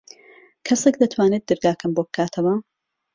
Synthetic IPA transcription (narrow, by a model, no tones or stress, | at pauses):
kʰɐsekd̪ɐt̪ʰwaːnet̪̚d̪ɨɾɡaːkʰɨmbobɨkʰaːt̪ʰɐwɐ